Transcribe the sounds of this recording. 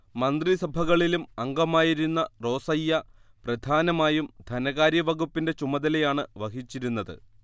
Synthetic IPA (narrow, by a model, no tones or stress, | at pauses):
mɐnd̪risɐbʱɐɣɐɭilumɐŋɡɐmaːjiɾunːɐro̞ːsɐjːɐprɐd̪ʱaːnɐmaːjumd̪ʱɐnɐɣaːɾjɐʋɐɣupːinde̞t͡ɕumɐðɐlɐjaːɳɨʋɐɣit͡ɕːiɾunːɐðɨ̰